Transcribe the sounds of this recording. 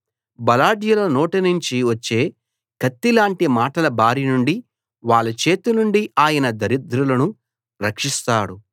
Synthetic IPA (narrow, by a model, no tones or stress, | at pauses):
bɐlaːɖjɐloːnoːʈɐnuɲt͡ʃiʋɐt͡ʃːe̞ː | kɐt̪ːilaːɳʈimaːʈɐlɐbʱaːɾinuɳɖi | ʋaːɭːɐt͡ʃe̞ːt̪unuɳɖiʔaːjɐnɐd̪ɐɾid̪ɾulɐnu | ɾɐkʂist̪aːɽu